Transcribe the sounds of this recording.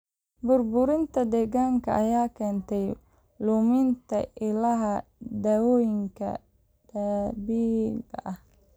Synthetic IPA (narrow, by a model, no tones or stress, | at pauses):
bʊrbʊɾɪnt̪ʰɐd̪ɛːɣaːŋkʰɐʔɐjaːkʰɛːnt̪ʰɛj | lʊmɪnt̪ʰɐʔɪlɐɦɐd̪aːwɔːjɪŋkʰɐ̰ | d̪̥ɐbiːɡɐ̰ʔɐh